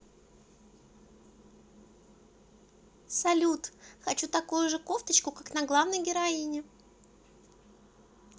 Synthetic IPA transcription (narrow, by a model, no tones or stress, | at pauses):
sɐlʲut̪xɐt͡ɕut̪ɐkujʊʐɨkoft̪ət͡ɕkʊkaknɐɡlˠavnəjɡʲɪɾɐinʲɪ